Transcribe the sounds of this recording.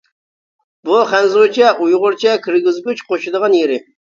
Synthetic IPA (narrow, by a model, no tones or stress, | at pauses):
bʊχænzot͡ʃʰaʔujʁʊɾt͡ʃʰakʰɨɾɡʲɪzɡʲʊt͡ʃqoʃɪd̪ɨʁɑnjɪɾɪ